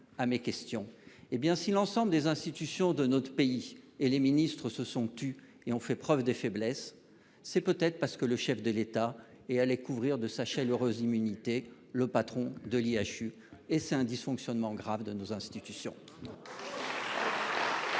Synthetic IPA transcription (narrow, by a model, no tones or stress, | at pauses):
amekʲɛst̪jɔ̃ebjɛ̃silɑ̃sɑ̃bləd̪ezɛ̃st̪it̪ysjɔ̃d̪ənot̪χə̥peieleminist̪χəsəsɔ̃t̪y | eɔ̃fɛpχœvd̪əfɛblɛsː | ɛpøt̪ɛt̪χəpaʁsə̥kələʃɛfd̪əlet̪a | ɛalekuvʁiʁd̪əsaʃaløʁøzimynit̪e | ləpat̪χɔ̃d̪əliaʃy | esɛt̪ɛ̃d̪isfɔ̃ksjɔnmɑ̃ɡʁavd̪ənozɛ̃st̪it̪ysjɔ̰̃